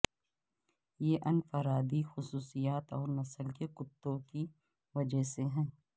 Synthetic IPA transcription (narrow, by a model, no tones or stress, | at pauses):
jeːʔɐnfəɾaːd̪ixʊsuːsijaːt̪ɔːɾnɐsəlkekʊt̪ːõki | ʋɐd͡ʒəɦseɦɛ̃ː